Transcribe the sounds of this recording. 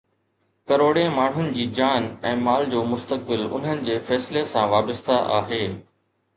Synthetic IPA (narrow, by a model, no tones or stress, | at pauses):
kɐɾoːɽẽmaːɳ̤ɦʊnɪ̆d͡ʑiːd͡ʑaːnɛ̃ːmaːld͡ʑoːmʊst̪ək̚bɪlʊ̰n̤ənɪ̆d͡ʑeːfɛːslesãʋaːbəst̪aʔa̰ːɦeː